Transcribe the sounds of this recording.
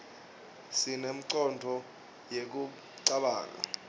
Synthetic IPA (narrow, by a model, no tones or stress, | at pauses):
sinem̩ǀɔndʱɔ | jek̬u | ǀaɓa̰ːk̬ʼa̰